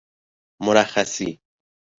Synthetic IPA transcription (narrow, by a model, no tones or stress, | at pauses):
mʊɾaxasi